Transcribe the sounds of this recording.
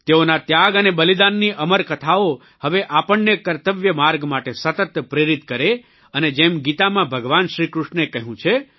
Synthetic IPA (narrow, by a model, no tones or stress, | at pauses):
t̪eonat̪jaɡənebəlid̪anːiʔəməɾkət̪ʰao | həʋeʔapəɳːekəɾt̪əʋjəmaɾɡmaʈesət̪ət̪pɾeɾit̪kəɾe | əned͡ʒemɡit̪amãbʱəɡʋanʃɾikɾuʃnekəɦũt͡ʃʰe